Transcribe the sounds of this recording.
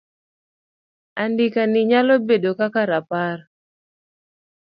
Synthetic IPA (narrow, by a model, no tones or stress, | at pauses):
andikanɪɲalɔbedokakaɾapar